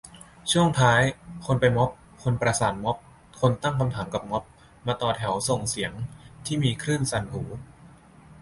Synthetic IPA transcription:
t͡ɕʰu˥˩əŋt̪ʰaː˦˥jkʰo˧npa˧jmɔ˦˥p̚ | kʰo˧npɾa˧saː˩˦nmɔ˦˥p̚ | kʰo˧nt̪a˥˩ŋkʰa˧mt̪ʰaː˩˦mka˨˩p̚ŋɔ˦˥p̚ | maː˧t̪ɔː˧˩t̪ʰɛ˩˦wso˨˩ŋsi˩˦əŋt̪ʰiː˥˩miː˧kʰɾɯː˥˩nsa˧˩nhuː˩˦

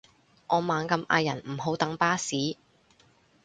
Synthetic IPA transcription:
ʔɔː˨˧maː˨˧nkɐ˧mʔa̰ː˧jɐ˨˩nm̩˨˩ɦo˨˥wt̪ɐ˨˥ŋpaː˥siː˨˥

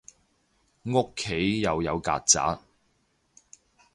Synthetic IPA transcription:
ŋo˥kʰːe˨˥jːɐ˨˧wjɐ˨˧wka̰ː˧t̚t͡sa̰ː˨˥t̚

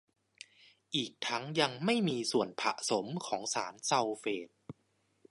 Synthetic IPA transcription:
ʔiː˨˩k̚t̪ʰa˦˥ŋja˧ŋma˥˩jmiː˧su˨˩ənpʰa˨˩ʔso˩˦mkʰɔː˩˦ŋsa̰ː˩˦nsa˧wfeː˨˩t̪̚

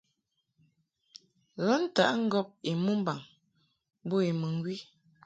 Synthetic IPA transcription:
ɣə˦n̩˦ta̰˨ʔŋ̩˦ɡɔ˦p̚i˨mu˦m˦ba˨ŋ | bo˦i˨mə˨ŋ˦ɡwi˦

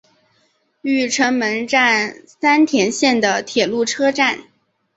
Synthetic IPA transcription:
y˥˩ʈ͡ʂʰə˧˥ŋmə˧˥nʈ͡ʂa˥˧nsa˥nt̪ʰjɛ˧˥nɕjɛ˥˩nd̪ə˩t̪ʰjɛ˨˩lu˥˩ʈ͡ʂʰɤ˥ʈ͡ʂa˥˩n

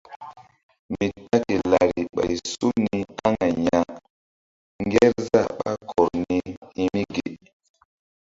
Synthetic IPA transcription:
mi˨ta˦ke˨la˨ɾi˨ɓa̰˨jsu˦ni˨ka˦ŋa˨ɲa˨ | ŋ˦ɡɛ˦ɾza˦˨ɓa˦kʰɔ˨ɾni˦hi˦mi˦ɡe˨

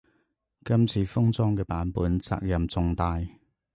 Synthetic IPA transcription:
kɐ˥mt͡sʰiː˧fʊ˥ŋt͡sɔː˥ŋkɛː˧paː˨˥npuː˨˥nt͡sa̰ː˧k̚jɐ˨mt͡sʊ˨˧ŋt̪aː˧j

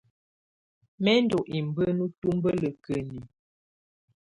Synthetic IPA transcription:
mɛ˦n˦dɔ˨ʔi˨m˨bə˦nu˦tu˦mbə˦lə˨kə˨ni˨

